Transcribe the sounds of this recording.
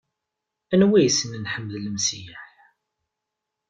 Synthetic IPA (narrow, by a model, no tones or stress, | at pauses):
ænwijsənnħəmːəðlmsiħ